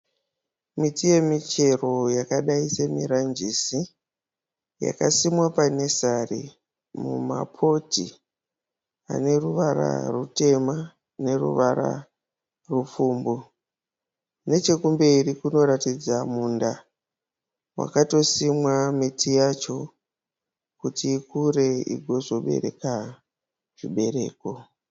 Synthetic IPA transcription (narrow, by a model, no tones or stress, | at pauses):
mitije̞mit͡ʃe̞ro̞jakaɗaise̞miɾand͡ʒisi | ja̰kasimwapane̞sarḭ | mṵma̰pʰo̞tḭ | a̰ne̞ruʋaɾa̰rute̞ma | ne̞rṵʋaɾa̰ | rufuːmbu | ne̞t͡ʃe̞kumbe̞rikuno̞ɾatid͡zamuːnda | wa̰kato̞simwametʰijat͡ʃo̞ | kutiːkure̞ḭɡʱo̞zo̞ɓe̞̰re̞̰ka | ʐ̥iɓe̞ɾe̞ːko